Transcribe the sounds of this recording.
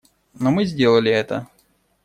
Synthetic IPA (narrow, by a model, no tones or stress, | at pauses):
nomɨzʲdʲe̞lˠəlʲɪɛt̪ə̰